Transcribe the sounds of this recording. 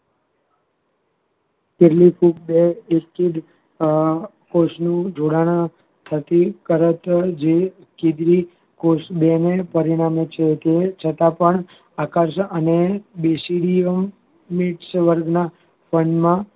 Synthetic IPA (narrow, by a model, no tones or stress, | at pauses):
k̪eɾlipʰuk̚beeːid̪ | kosnũd͡ʒoɽaɽ̃a | t̪ʰət̪ikəɾət̪d͡ʒe | kid̪ɾi | kosbenepəɾiɽ̃amet͡ʃʰet̪et͡ʃʰət̪apəɳ | akaɾʃəʔənebesiɽiəmː | iʈsʋəɾɡʱna | fəɳmã